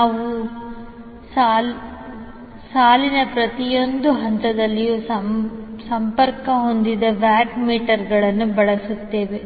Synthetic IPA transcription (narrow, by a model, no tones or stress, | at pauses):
naːʋu | saːl | saːlinɐpɾɐt̪ijo̞nd̪uɦɐnt̪ɐd̪ɐlːijusɐsɐmpɐɾkɐɦo̞nd̪id̪ɐʋaːʈmiːʈɐɾɡɐɭɐnːubɐɭɐsut̪ːe̞ːʋe̞